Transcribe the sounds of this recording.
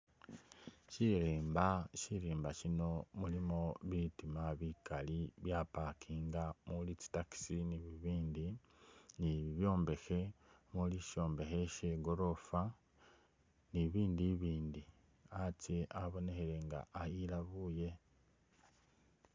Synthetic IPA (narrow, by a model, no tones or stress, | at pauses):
ʃiɾeːmbaʃiɾiːmbaʃino̞mulimoβitimaβikaliβjapakʰiːŋɡamulici̥taki̥siniβiβiːndi | niβiβjo̞ːmbe̞xe̞muliʃo̞ːmbe̞xe̞ʃeɡo̞ɾo̞fa | niβiːndiβiːndi | aceʔaβo̞ne̞xeɾe̞ŋɡa̰ʔːjilaβuje̞